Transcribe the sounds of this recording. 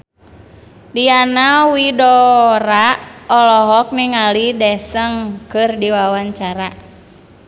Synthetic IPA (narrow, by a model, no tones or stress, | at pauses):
dianawidɔɾaɔlɔɦɔk̚niŋalidɛsəŋkɨrdiwawaɲt͡ʃaɾa